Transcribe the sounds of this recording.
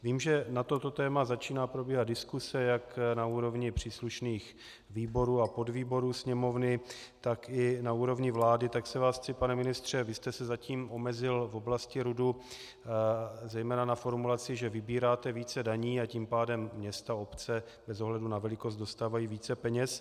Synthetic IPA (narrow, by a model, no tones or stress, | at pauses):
viːmʒɛnat̪o̞t̪o̞t̪ɛːmazat͡ʃiːnaːpɾobjɛɦad̪̚dɪskusɛjaknauːɾo̞vɲɪpr̝̥iːsluʃniːx | viːbo̞ɾuːapo̞dviːbo̞ɾuːsɲɛmo̞vnɪ | t̪akɪnauːɾo̞vɲɪvlaːdɪt̪aksɛvaːst͡sɪpanɛmɪnɪst̪r̝̥ɛvɪst̪ɛsɛzaciːmʔo̞mɛzɪlvo̞blascɪɾudu | zɛjmɛːnanafo̞ɾmulat͡sɪʒɛvɪbiːɾaːt̪ɛviːt͡sɛdaɲiːaciːmpaːdɛmːɲɛst̪aopt͡sɛ | bɛzo̞ɦlɛdunavɛlɪkost̪do̞st̪aːvajiːviːt͡sɛpɛɲɛs